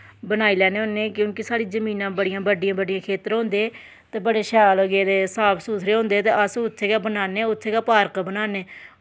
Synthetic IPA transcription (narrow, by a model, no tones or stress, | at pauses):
bənaːiːlɛːneːɦõːneːkjõːkɪsaːɽiːzəmĩːnãːbəɽɪjãːbəɖɪjãːbəɖɪijãːkʰeːt̪ɾɦõːnd̪eː | t̪eːbəɽeːʃɛːlɡeːd̪eːsaːpʰsuːt̪ʰɾeːɦõːnd̪eːt̪eːʔəsʊt̪ʰseːɡaːbənaːneːʊt̪ʰseːɡaːpaːɾkbənaːneː